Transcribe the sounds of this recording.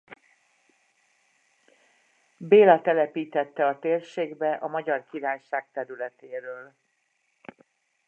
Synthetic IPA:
beːlɒt̪ɛlɛpiːt̪ɛt̪ːɛɒt̪eːrʃeːɡbɛʔɒmɒɟɒrkiɾaːjʃaːk̚t̪ɛɾylɛt̪eːɾøːl

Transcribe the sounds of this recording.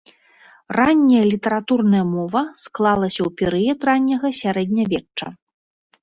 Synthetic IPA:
ranʲːɐjɐlʲit̪ɐɾat̪urnɐjɐmɔvɐsklˠalˠɐsʲɐwpʲɛɾɨjɛt̪ranʲːɐɣɐsʲaɾɛd̪ʲnʲɐvʲɛt͡ʂːɐ̰

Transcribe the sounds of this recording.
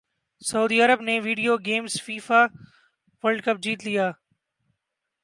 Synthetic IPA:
sɐuːd̪iːəɾəbneːʋiːɖijoːɡeːmzfiːfaː | ʋəlɖkəp̚d͡ʑiːt̪lɪjaː

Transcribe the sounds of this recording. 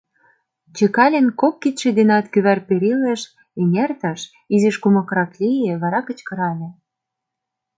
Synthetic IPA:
t͡ɕĕkɑlʲenkok̚ːit̪ʃĕd̪enɑt̪kyβærpeɾilĕʃ | enʲert̪ɤʃ | izeʃkumɤ̆kɾɑklʲijĕβɑɾɑkə̆t͡ɕkɤ̆ɾɑlʲĕ

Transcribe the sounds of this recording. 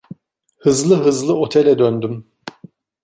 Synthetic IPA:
hɯzlˠɯɦɯzlˠɯot̪ʰelʲɛd̪ønd̪ym

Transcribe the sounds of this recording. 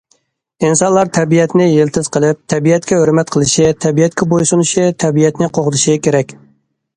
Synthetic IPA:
insɑnlˠɑɾt̪ʰɛbijɛt̪nɪjelt̪ʰɪz̥qʰəlˠɪp̚t̪ʰɛbijɛt̪̚kʲɛɦøɾmɛt̪qʰəlˠɪʃɪt̪ʰɛbijɛt̪̚kʲɛbojsunuʃɪt̪ʰɛbijɛt̪nɪqʰoχət̪ʰɨʃɪkʲʰeɾɛkʲ

